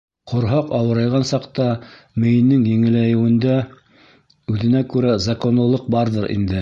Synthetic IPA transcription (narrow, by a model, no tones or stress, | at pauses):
qŏɾɦɑqɑwɤ̆ɾɑjʁɑnsɑqt̪ɑ | mɘ̆jɘ̆nːɘŋjɘ̆ŋɘ̆læjɘ̆wɘ̆nd̪æ | ʉðɘ̆nækʉɾæzɑko̞nlˠɤ̆lˠɤq̚bɑɾðɤɾʔḭnd̪ɘ